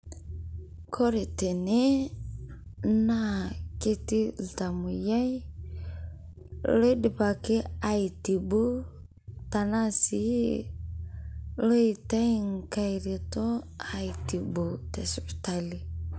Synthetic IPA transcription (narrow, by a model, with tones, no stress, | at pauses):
kʰɔ˦ɾi˨te˨ne˦ | nake˦ti˦lta˨mu˨ja˦j | le˦di˨pa˨ke˦a˨iti˨bu˦ | ta˨nasi˦ | lo˦i˨ta˦i˦ŋka˨ɾi˨tɔ˦a˨iti˨bu˨tɛ˨spi̥˨ta˨li˨